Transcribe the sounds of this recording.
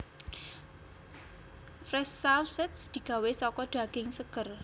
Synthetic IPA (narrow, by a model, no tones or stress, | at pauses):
fɾɛsːawsɛt̪sd̪̥i̤ɡ̥a̤wesɔkɔɖ̪̥a̤ɡ̥ɪŋsəkər